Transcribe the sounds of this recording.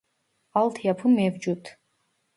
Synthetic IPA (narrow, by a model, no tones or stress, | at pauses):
alˠt̪ʰjapʰumevd͡ʒut̪ʰ